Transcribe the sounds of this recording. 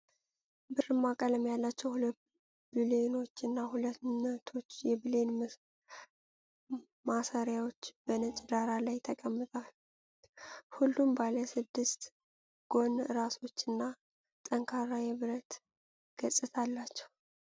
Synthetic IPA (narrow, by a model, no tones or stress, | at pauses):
bɨrɨmːakʼələmjalːat͡ʃːɛwhul | bile̞no̞t͡ʃːɨnːahulət̪nət̪ʰːo̞t͡ʃːjɛbɨle̞n | masaɾjawo̞t͡ʃːb̥ənət͡ʃʼd̪aɾalajt̪ʰəkʼəmːɨt̪ʼal | hulːumbaləsɨd̪ːɨst̪ | ɡ̥o̞nɨɾaso̞t͡ʃːɨnːa | t̪ʼəŋkʰaɾajɛβɨɾət̪ | ɡ̥əsʼɨt̪ʰalːat͡ʃːɛ̥w